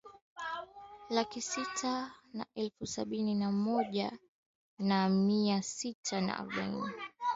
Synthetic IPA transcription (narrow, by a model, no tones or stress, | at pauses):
lakisitʰana̰ʔɛlfusaɓininamɔʄa | namiasitʰana̰ʔa̰ɾɔɓa̰ḭni